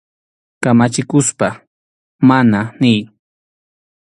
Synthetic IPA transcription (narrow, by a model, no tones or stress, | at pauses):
kamat͡ʃɪkʊspa | mananɪj